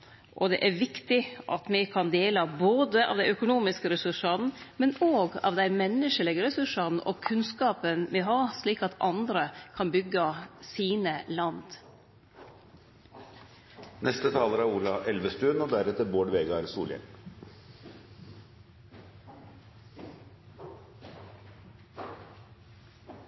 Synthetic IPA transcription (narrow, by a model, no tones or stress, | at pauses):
ʔɔd̪ɛʔæɾʋɪkt̪ɪʔɑ̰t̪mɛkʰɑnd̪eːləboːd̪əʔɑ̰ːʋd̪æɪœkʊnuːmɪskəɾɛsʉʂɑn̩mɛnoːɡɑ̰ʋd̪æɪmɛnːəʂəlɪɡəɾɛsʉʂɑnəʔɔkʰʉnskɑːpənmɛɦɑːʂɭiːkɑt̪ʰɑnd̪ɾəkʰɑnbʏɡːəsiːnəlɑnd̪ | nʔɛst̪ət̪ʰɑːləɾæɾuːlɑʔɛlʋəst̪ʉːnod̪æɾɛt̪əboːɖʋeːɡɑɾsṵːljɛ̰n